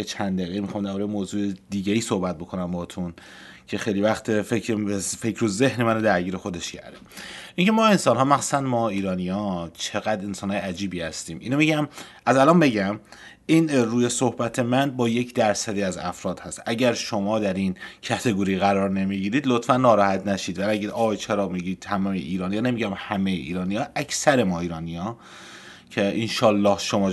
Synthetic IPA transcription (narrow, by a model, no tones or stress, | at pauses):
et͡ʃʰænd̪d̪æɣeimixɒmd̪æɾbɒːɾejemoːzuːed̪iːɟeiːso̞hbæt̪̚bo̞kʰo̞næmbɒːt̪ʰun | cʰe̞xejlivæxt̪ʰfefekʰɾoze̞hnemænod̪æɾɟiːɾe̞xo̞d̪e̞ʃcʰæ̰ɾd̪eʔiŋcʰe̞mɒːe̞nsɒːnɦɒːmæxsu̥sænd̪mɒːiːɾɒːnijɒt͡ʃʰe̞ɣæd̪e̞nsɒːnhɒjeæd͡ʒiːbiːhæst̪iːmiːnomiɟæmʔæzælɒːnbe̞ɟæm | iːnɾuːje̞so̞hbæt̪ʰe̞mænbɒːje̞cʰd̪æɾsæd̪iːæzæ̰fɾɒːd̪̥hæst̪ʔæɟæɾʃomɒːd̪æɾincʰæt̪ʰe̞ɡoɾiːɣæɾɒːɾne̞miːɡiːɾiːd̪lot̪fænːɒːɾɒːhæt̪ʰnæʃiːd̪vææɡiːd̪ɒːɣjt͡ʃʰeɾɒːmiɡiːd̪̚t̪ʰæmɒmḛʔiːɾɒːnijɒːne̞miɟæmhæmejḛʔḭːɾɒːnijɒːʔækʰsæɾe̞mɒːiːɾɒːnijɒː | cʰe̞ʔenʃɒːlːɒːhʃo̞mɒː